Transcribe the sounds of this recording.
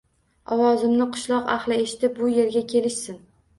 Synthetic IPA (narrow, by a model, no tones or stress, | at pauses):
ɒwɒzɪmnɪqʰʊ̥ʃlˠɒqa̰hlɪe̞ʃɪ̥t̪ɪp̚bʊje̞ɾɡʲakʲʰe̞lɪʃsɪn